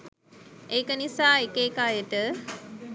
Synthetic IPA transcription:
eːkənisaːekeːkaːjəʈə

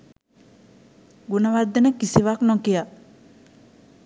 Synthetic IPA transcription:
ɡunəʋaɾd̪ːənəkisiʋaknõkija

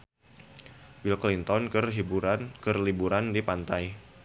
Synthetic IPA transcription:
wilklint̪ɔnkərɦiakərlibuɾandipant̪aj

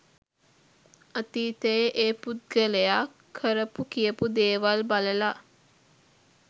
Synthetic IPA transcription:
at̪iːt̪əjeʔeːput̪̚ɡələjakʰːəɾəpukijəpud̪eːʋalbaləla

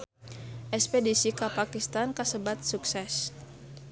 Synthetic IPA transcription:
ʔɛspedisikapakist̪ankasəbat̪̚suksɛs

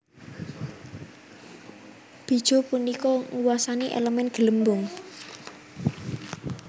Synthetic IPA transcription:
b̥i̤d̥ʒ̥o̤punikɔŋuwasaniʔḛləmɛnɡ̥ələmbʊŋ

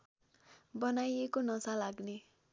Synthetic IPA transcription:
bʌnajekonʌsalaɡne

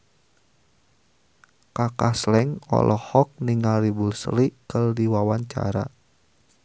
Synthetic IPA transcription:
kakaslɛŋɔ̰lʔɔhɔk̚niŋalɾibulsəlikərdiwawaɲt͡ʃa̰ɾa̰

